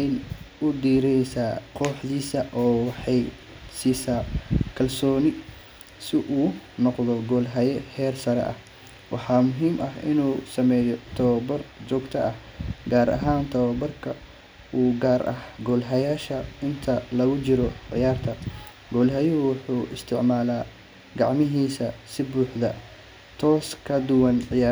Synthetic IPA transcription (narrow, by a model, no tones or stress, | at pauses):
ɛjnʊd̪iːɾɛsaːqʰɔːħd̪iːsɐʔɔːwɑħɑj | siːsaːkʰɐlsɔːnɪ | sɪʔuːnɔqðɔɡɔːlɦɐjɛhɛːrsɐɾɛ̰ʔɐ̰h | wʔɑ̰ħɑːmʊɦiːmʔɐɦʔɪ̰nuːsɐmɛːjɔt̪ʰɐβbɐrd͡ʒɔːɡt̪ʰɐʔɐh | ɡaːɾʔɐ̰ɦaːnt̪ʰɐwɐbɐrkʰɐ | uːɡaːɾʔɐ̰hɡɔːlɦɐjaːʃɐɪnt̪ʰɐlɐɣʊt͡ʃɪɾɔʕɪ̰jaːrt̪ʰɐ | ɡɔːlɦɐjɔwʊħuːɪst̪ʰɪʕmaːlaː | ɡɑʕmɪɦiːsɐsɪbuːħd̪ɐ | t̪ʰɔːskʰɐd̪ʊwɐnʕɪja